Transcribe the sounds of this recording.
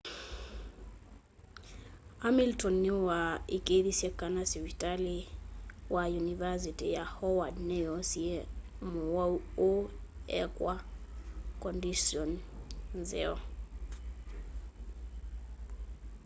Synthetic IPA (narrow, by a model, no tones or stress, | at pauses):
amiltɔnːiwaikeðisiɛkanasiwitaliwajunivas̬itijahɔwadnejɔsiɛ | muwauoɛkwa | kɔndisiɔn | zɛ̰ɔ